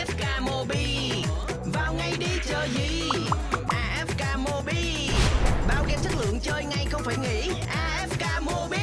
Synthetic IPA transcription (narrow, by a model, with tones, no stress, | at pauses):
ɛ˦˥p̚kaː˧mo˧ɓi˧ | vaː˨˩wŋa˨˩jɗi˧t͡ɕəː˨˩jzḭ˧˨ | ʔaː˧ʔɛ˦˥p̚kaː˧mo˧ɓi˧ | ɓaː˨˧˩wɣɛ˧˩t͡ɕʰə˦˥t̚lɨ̰˧˨əŋt͡ɕəː˧jŋa˧jxə˧wŋ͡mfaː˧˩jŋḭ˧˥ | ʔaː˧ʔɛ˦˥p̚kaː˧mo˧ɓi˧